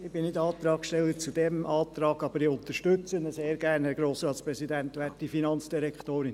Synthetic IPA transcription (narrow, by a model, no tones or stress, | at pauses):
ɪbɪnɪdɑːt̪ɾɑːkʃtɛltt͡sud̪ɛmʔɑːt̪ɾɑːɡɑb̥əɾɪʊnt̪əʃtʏt͡sənəseːɾɡ̥æːrnhɛɾɡ̥ɾoːsɾɑːt̪spɾɛsidænt̪ʋæːtdifinɑnt͡sd̥iɾɛkt̪oːɾɪn